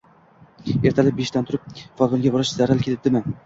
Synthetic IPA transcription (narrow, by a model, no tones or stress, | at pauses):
e̞ɾt̪ʰalɪp̚beʃt̪ant̪ʰʊɾɪp̚fɒlˠvɒnŋɡʲabɒɾɪʃzaɾalkʲʰelɪd̪ɪmɪ